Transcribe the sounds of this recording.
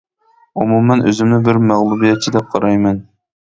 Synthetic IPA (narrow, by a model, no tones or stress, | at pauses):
umumːɛnʔø̰zɪmnɪbɪɾmæʁlˠubijɛt̪̚t͡ʃʰid̪ɛp̚qʰɑɾɑjmɛn